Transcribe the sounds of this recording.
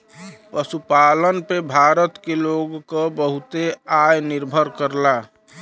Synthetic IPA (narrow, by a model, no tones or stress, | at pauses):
pəsupalənpebʱaɾət̪keloɡkəbəɦut̪eajniɾbʱəɾkəɾla